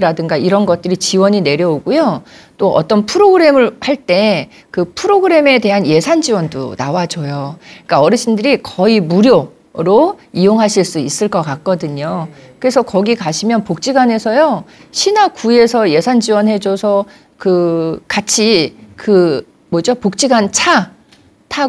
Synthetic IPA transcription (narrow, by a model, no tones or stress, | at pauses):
ɾadɯŋɡaiɾʌnɡʌt̚t͈ɯɾit͡ɕiwʌɲine̞ɾjʌoɡujot͈oʔʌ̰t͈ʌnpʰɯɾoɡɯɾe̞mɯɭhaɭt͈e̞ | kɯpʰɯɾoɡɯɾe̞me̞te̞ɦanje̞sʰand͡ʑiwʌndo̰nawad͡ʑojok͈aʌɾɯɕʰindɯɾikʌimuɾjo | ɾoijoŋɦaɕʰiɭs͈uis͈ɯɭk͈ʌkak̚k͈ʌdɯɲokɯɾe̞sʰʌkʌɡikaɕʰimjʌnpok̚t͡ɕ͈iɡane̞sʰʌjoɕʰinakue̞sʰʌje̞sʰand͡ʑiwʌnɦe̞d͡ʑosʰʌ | kɯkat͡ɕʰikɯ | mwʌd͡ʑopok̚t͡ɕ͈iɡant͡ɕʰa | tʰa